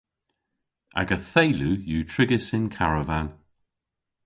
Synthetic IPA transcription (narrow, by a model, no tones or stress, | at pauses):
ʔa̰ɡəθejlujuːtʰɹɪɡɪsɪnkʰaɹəvan